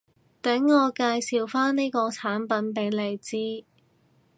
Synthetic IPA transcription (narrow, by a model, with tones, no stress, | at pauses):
t̪ɛ˨˥ŋːɔː˨˧kaː˧jsiː˨wfaː˥nniː˥kɔː˧t͡sʰaː˨˥npɐ˨˥npe˨˥jle˨˧jt͡siː˥